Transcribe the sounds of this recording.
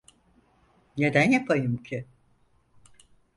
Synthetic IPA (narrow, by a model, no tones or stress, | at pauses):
ne̞d̪ænjapʰajɯmcʰɪ